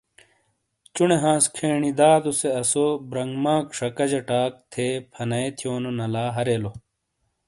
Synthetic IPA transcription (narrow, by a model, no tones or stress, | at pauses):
t͡ɕuneɦãːskʰeːɳid̪aːd̪oseɐsobɾɐŋɡmãːkʂɐkɐd͡ʑɐʈaːk̚t̪ʰepʰɐnɐet̪ʰjoːnonɐlaːɦɐɾeːlo